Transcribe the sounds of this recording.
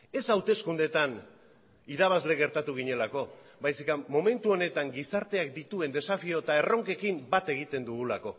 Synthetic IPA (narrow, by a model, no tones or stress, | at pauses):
e̞sawt̪e̞skund̪e̞t̪an | iɾaβ̞azle̞ɣe̞ɾt̪at̪uɣ̞iɲe̞lako̞bajsikamo̞me̞nt̪uo̞ne̞t̪aŋɡisaɾt̪e̞ak̚d̪it̪ue̞nd̪e̞safio̞t̪ae̞ro̞ŋke̞kimbat̪e̞ɣ̞it̪e̞nd̪uɣulako̞